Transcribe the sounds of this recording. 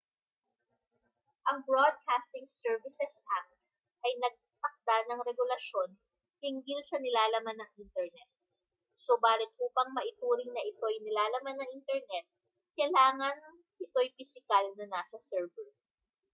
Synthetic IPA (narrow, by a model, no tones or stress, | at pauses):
ʔɐŋbɹod̪̚kast̪ɪŋsɛɹvɪsɛsʔak̚t | ʔɐjnɐɡ̚t̪ɐk̚d̪̥anɐŋɾɛɡʊlɐʃo̞n | hɪŋɡilsɐnɪlaːlɐmanːɐŋʔint̪ɛɹnɛt̪̚ | sobaːlɪt̪̚ʔuːpɐŋmɐʔɪt̪uːɾɪŋnɐʔɪt̪o̞jnɪlaːlɐmanːɐŋʔint̪ɛɹnɛt̪̚ | kɐjlaːŋɐn | pɪt̪o̞jpɪsɪkalnɐnaːsɐsɛɹvɛ